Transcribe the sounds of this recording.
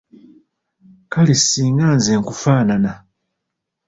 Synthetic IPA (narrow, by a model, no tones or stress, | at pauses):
kalisiːŋɡaːnzeŋkufaːnana